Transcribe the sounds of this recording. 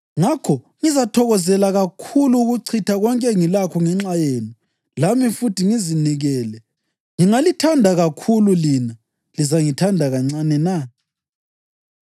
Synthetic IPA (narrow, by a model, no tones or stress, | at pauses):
ŋakʰɔ | ŋizatʰɔɣɔzɛlaɣakʰuluːɣuǀʰitʰaɣɔŋkʼɛŋilakʰɔŋɛŋ͡ǁajeːni | lamifutʰiŋiziniɣɛːlɛ | ŋiŋalitʰandʱaɣakʰululina | lizaŋitʰandʱaɣaŋ͡ǀanɛna